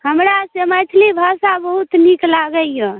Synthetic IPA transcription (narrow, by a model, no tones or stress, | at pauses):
ɦəmɾasemət͡ʃʰlibʱasabəɦut̪niklaɡəjə̃